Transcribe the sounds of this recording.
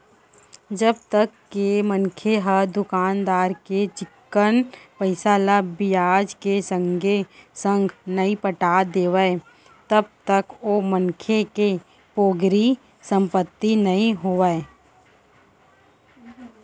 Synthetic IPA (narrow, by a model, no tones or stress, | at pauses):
d͡ʒəb̚t̪əkːemənkʰeɦəɾd̪ʊkaːnd̪aːɾket͡ʃɪkːənpəɪsaːlabɪjaːd͡ʒkesə̃ŋɡʱesə̃ŋɡʱnəĩpəʈaːd̪eːʋəe | t̪əb̚t̪əkoːmənkʰeke | poːɡɾi | sə̃mpət̪ːinɐĩɦoʋae